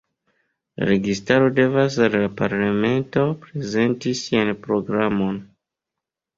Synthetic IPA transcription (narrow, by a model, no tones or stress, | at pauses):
la̰ɾe̞ɡistaɾo̞de̞vas̬allapaɾlame̞nto̞pɾe̞ze̞ntisianpɾo̞ɡɾamo̞n